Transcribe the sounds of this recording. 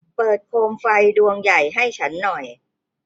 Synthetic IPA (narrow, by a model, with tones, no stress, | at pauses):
pɤː˨˩t̪̚kʰoː˧mfa˧jdu˧əŋja˨˩jɦa˥˩jt͡ɕʰa˦˥nːɔ˨˩j